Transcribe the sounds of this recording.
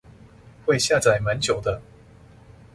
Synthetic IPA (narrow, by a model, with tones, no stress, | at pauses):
xwe˥˧ɪɕja˥˨t͡sa˨˩ɪmə˨˦nt͡ɕjo˨˩ʊd̪ə˦